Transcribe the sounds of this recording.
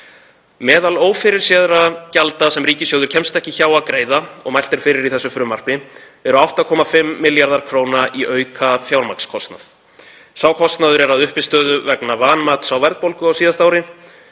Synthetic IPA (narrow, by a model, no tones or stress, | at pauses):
mɛːðaloːwfɪɾɪɾ̥sjɛːðɾacalt̪asɛmɾriːcɪsjowðʏɾ̥cʰɛmst̪ɛhcɪçaːwaðkɾeːjðaɔ̰ɣmajl̥t̪ɪɾ̥fɪːɾɪɾiθɛsːʏfɾʏmar̥pɪ | ɛɾʏawht̪aðkʰɔːmafɪmːɪljaɾðaɾ̥kʰɾoːwnaʔiʔœɥkʰafjawɾma̰kskʰɔst̪na̰θ | saːwkʰɔst̪naðʏɾɛɾaðʏhpɪst̪œːðʏvɛknavaːnmaːt̪sawvɛɾðpowlkʏawsiːðast̪aːwɾɪ